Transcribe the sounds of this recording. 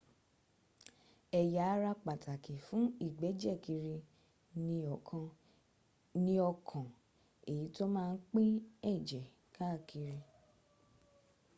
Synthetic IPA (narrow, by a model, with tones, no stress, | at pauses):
ɛ˨ja˨˦ɾa˧k͡pa˨tʰa˨ki˨fũ˨˦i˦˨ɡ͡bɛ˨˦d͡ʒɛ˦˨ki˧ɾi˧ | nĩ˧ɔ˨kã˧ | nĩ˦ɔ˧kʰɔ̃˨ | e˨ji˨˦to˦mãː˦˧n̩˦k͡pi˦ɛ˦˨d͡ʒɛ˨ | kʰa˦˨ki˧ɾi˧